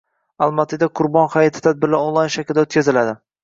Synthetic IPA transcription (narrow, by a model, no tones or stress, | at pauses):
alˠmat̪ʰɪd̪aqʰʊɾbɒnχajat̪ʰɪ̥t̪ʰad̪̚bɪɾlaolˠajnʃakʲld̪aot̪̚kʲʰazɪlad̪ɪ